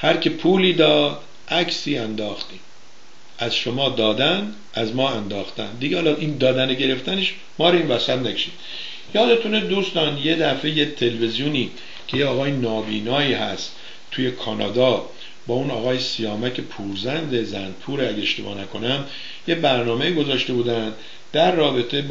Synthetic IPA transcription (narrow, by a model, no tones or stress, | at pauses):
hæɾcʰepʰuːliːd̪ɒːd̪̥ | ʔæcʰsiːænd̪ɒːxt̪iːm | æz̥ʃomɒːd̪ɒːd̪æn | æzmɒːænd̪ɒːxt̪æ̰nd̪iɡehɒːlɒʔind̪ɒːd̪æneɟe̞ɾe̞ft̪æneʃ | mɒːɾeiːnvæsæt̪nækʰe̥ʃiːd̪̥ | jɒːd̪e̞t̪ʰuned̪uːst̪ɒːnjed̪æfejet̪ʰe̞lvezijuːniː | cʰe̞jeɒːɣɒːjenɒːbiːnɒːiːhæst̪ | t̪ʰuːje̞kʰɒːnɒ̰ːd̪ɒː | bɒːunɒːɣɒːjesijɒːmæcʰe̞pʰuːɾzænd̪ezænpʰuːɾeæɟeeʃt̪e̞̰bɒ̰ːnækʰo̞næm | jebæɾnɒːme̞iːɡo̞zɒːʃt̪e̞buːd̪ænd̪ | d̪̥æɾːɒːbe̞t̪ʰeb